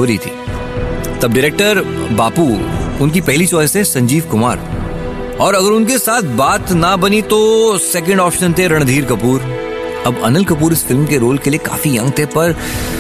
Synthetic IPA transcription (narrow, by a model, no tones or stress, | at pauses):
oɾit̪ʰḭː | t̪ɐb̚ɖɪɾeːk̚ʈəɾbaːpuːʊnk̬ipɛɦlit͡ʃɔːɪsesɐ̃ɲd͡ʒiːʋkʊma̰ːɾ | ɔːɾɐɡəɾʊnkesaːt̪̚ʰbaːt̪nɐbɐnit̪osɛk̬ə̃ɳɖɔːpʃə̃nt̪ʰeɾɐɽ̃d̪ʱiːɾkɐpuːɾ | ɐbɐ̰nəlkɐpuːɾɪsfɪlmkeɾoːlkelieka̰ːfijɐ̃ŋɡt̪ʰepɐɾ